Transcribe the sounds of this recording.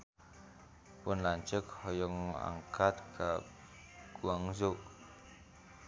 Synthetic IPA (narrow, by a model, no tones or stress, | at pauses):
pʊnlaɲt͡ʃək̚hɔjɔŋa̰ŋkʰat̪̚kʰa | ɡ̥uaŋzoʔ